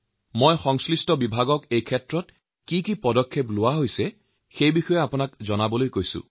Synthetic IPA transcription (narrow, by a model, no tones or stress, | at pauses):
mojxɔŋslistɔbibʱaɡɔkejkʰɛtɹɔt | kikipɔdɔkʰːeplʊwaɦojsɛ | xejbixɔjɛapʊnakzɔnabɔlojkojsʊ̰̃